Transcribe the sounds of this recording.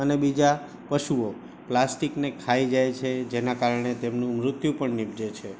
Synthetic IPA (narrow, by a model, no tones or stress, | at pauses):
ənebid͡ʒa | pəʃuo | plasʈiknekʰaid͡ʒajt͡ʃʰed͡ʒenakaɾɳ̃et̪emnũmɾʊt̪jũpəɳnibd͡ʒet͡ʃʰe